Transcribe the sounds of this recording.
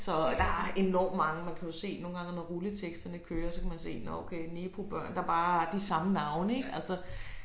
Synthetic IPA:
sɒ̽d̥ɑ̈æɐe̝nɒ̰ːmːɑ̈ŋəmænkʰæjo̝se̝̰ːno̝ːn̩ɡ̥ɑ̈ŋənɒʁulət͡sʰeɡ̥sd̥ɐnəkʰøːɐsɒ̽kʰæmænse̝̰ːnɒokʰeɪneːb̥ʁob̥ɶɐ̰nd̥ɑ̈b̥ɑ̈ːɐd̥isɑ̈mənɑ̈ʊnəeɡ̥ælsɒ

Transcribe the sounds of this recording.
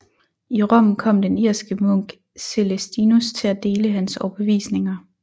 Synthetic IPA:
iʁɒ̽m̰n̩kʰɒ̽m̰d̥eniɐ̰sɡ̥əmɔŋ̰ɡ̥ | se̝lesd̥inust͡sʰe̝læd̥e̝ːləɦænsɒʊb̥əʋḭːsne̝ŋɐ

